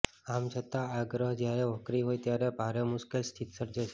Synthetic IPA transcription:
amt͡ʃʰət̪aːɡɾəɦd͡ʒjaɾɛʋəkɾiɦojt̪jaɾɛbʱaɾemʊʃkelst̪ʰit̪səɾd͡ʒeʃe

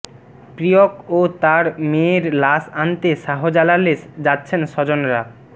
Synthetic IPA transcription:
pɾijokot̪aɾmeɾlaʃant̪eʃaɦod͡ʑalaled͡ʑatːɕʰenʃɔd͡ʑonɾa

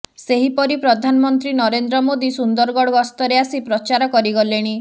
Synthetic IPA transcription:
seɦipɔɾipɾɔd̪ʱanɔmɔnt̪ɾinɔɾend̪ɾɔmod̪isund̪ɔɾɡɔɽɔɡɔst̪ɔɾeasipɾɔt͡ʃaɾɔkɔɾiɡɔleɽ̃i

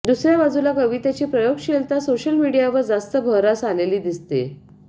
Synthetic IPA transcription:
d̪usɾjabad͡zulakəʋit̪at͡ɕiːpɾəjoɡɕelt̪asoɕəlmiɽijaʋəɾd͡zast̪əbʱəɾasaleliːd̪ist̪ḛ

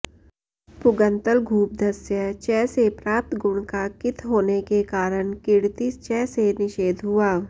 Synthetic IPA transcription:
pʊɡə̃nt̪əlɡʱuːp̚d̪ʱɐsjət͡ʃɛːsepɾaːp̚t̪ɡʊɽ̃kakɪt̪ʰɦoːnekekaːɾəɽ̃kɪɽt̪it͡ʃɛːsenɪʃeːd̪ʱɦʊaː

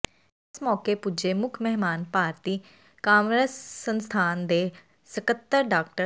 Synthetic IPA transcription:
ɪsmɔːkeːpud͡ʒeːmʊkʰmɛɦmaːnpaːɾt̪iː | kãːmɾəsːənst̪ʰaːnd̪eː | səkət̪ːəɾɖaːk̚ʈə

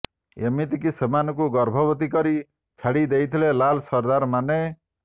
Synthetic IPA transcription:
ḛmit̪ikisemanɔkuɡɔɾbʱɔbɔt̪̬ikɔɾi | t͡ʃʰaɽid̪ejt̪ʰilelalsɔɾd̪aɾmane

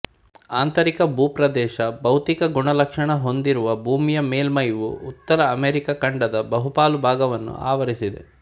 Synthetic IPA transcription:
aːnt̪ɐɾikɐbuːpɾɐd̪ɛːʃɐbɐwt̪ikɐɡuɳɐlɐkʂɐɳɐɦo̞nd̪iɾuʋɐbʱuːmijɐmeːlmɐjʋṵːt̪ːɐɾɐːmeːɾikɐkɐɳɖɐd̪ɐbɐɦupaːlubʱaːɡɐʋɐnːṵʔa̰ːʋɐɾisid̪ḛ

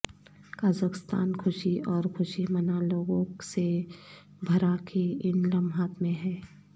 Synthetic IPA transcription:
kaːzəkɪst̪a̰ːnkʰʊʃiʔɔːɾkʰʊʃimɐnaloːɡõse | bʱɐɾakʰeɪnləmɦaːt̪mẽɦɛː

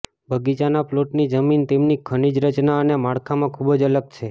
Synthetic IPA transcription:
bʱəɡit͡ʃanaploʈnid͡ʒəmint̪emnikʰənid͡ʒɾət͡ʃnaənemaɽkʰamãkʰubəd͡ʒələɡ̚t͡ʃʰe

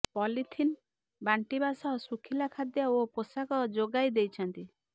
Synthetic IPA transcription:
pɔlit̪ʰin | baɳʈibasɔɦsukʰilakʰad̪jɔoposakɔd͡ʒoɡajd̪ejt͡ʃʰɔnt̪i

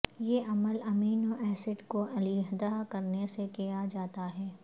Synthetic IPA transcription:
jeːʔɐməlɐmiːnoʔɛːsɪɖkoʔɐliɦd̪aːkɐɾnesekijad͡ʒaːt̪aɦɛː

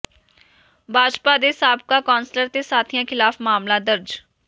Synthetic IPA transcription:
bʱaːd͡ʒpaːd̪eːsaːb̚kaːkɔːnsləɾt̪eːsaːt̪ʰijãːkʰɪlaːfmaːmlaːd̪əɾd͡ʒ

